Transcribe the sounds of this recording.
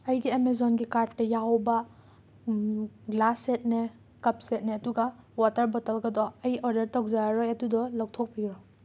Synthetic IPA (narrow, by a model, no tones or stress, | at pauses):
ɐjɡiemezɔnɡikaɾtːɐjawbɐ | ɡlasːet̚ne | kɐp̚set̚neɐduɡɐwatɐɾbɔtɐlɡɐdɔɐjɔɾdɐɾtɔwk̚zaɾɔjɐdudɔlɐw̚tʰok̚piɡɾɔ